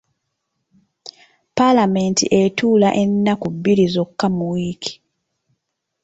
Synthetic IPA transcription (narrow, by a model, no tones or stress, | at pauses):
palame̞ntḭʔetuːlaʔe̞nːakubːiɾizo̞kːamuwiːkʰi̥